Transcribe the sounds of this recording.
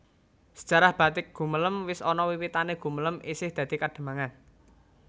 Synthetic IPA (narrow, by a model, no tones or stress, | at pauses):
sə̥d͡ʒ̥a̤ɾahb̥ä̤t̪ɪk̚ɡ̥ṳmələmwɪsɔnɔwiwit̪aneɡ̥ṳmələmisɪhd̪̥ä̤d̪̥i̤kaɖ̪̥ə̤maŋan